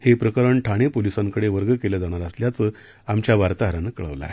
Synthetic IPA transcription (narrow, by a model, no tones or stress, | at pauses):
hepɾəkəɾəɳʈʰaɽ̃epolisaŋkəɽeʋəɾɡəkeləd͡zaɽ̃aɾəsljat͡səː | amt͡ɕjaʋaɾt̪aɦəɾanəkːɭə̰ʋla̰ɦe